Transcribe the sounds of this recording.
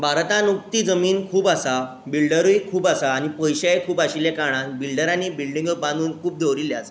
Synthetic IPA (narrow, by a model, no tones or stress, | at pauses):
bʱaɾt̪ãnuk̚t̪iːd͡zəmiːnkʰuːbasa | bilɖəɾuikʰuːbasaːɽ̃ipəjɕajkʰuːpaɕiljakaɽ̃ãnbilɖəɾaniːbilɖĩŋɡəãnd̪uːnkʰuːp̚d̪ʱeʋɾiljasḁ